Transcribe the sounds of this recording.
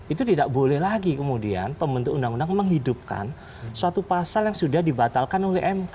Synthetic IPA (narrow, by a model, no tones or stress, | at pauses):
ʔit̪ut̪idaʔbolɛhlaɡikəmudia̰npəmbənt̪ukundaŋundaŋməŋɦidup̚ka̰n | suat̪upasaljaŋsudahdibat̪alkanolɛɦʔɛmk